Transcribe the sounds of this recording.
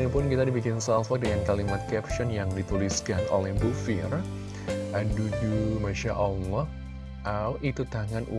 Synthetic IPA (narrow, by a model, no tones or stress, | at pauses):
nipʊnkit̪adibikɪnsalfak̚dəŋankalimat̪̚kɛpʃɔnjaŋdit̪uliskanʔo̰lɛhbufɪ̰r | ʔadud͡ʒumaʃaʔalɔh | awʔit̪ut̪aŋanʔṵ